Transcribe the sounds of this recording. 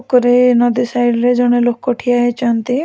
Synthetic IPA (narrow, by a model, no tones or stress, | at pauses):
kɔɾinɔd̪isajɾɾed͡ʒɔɽ̃elokːɔʈʰijaɦet͡ʃant̪i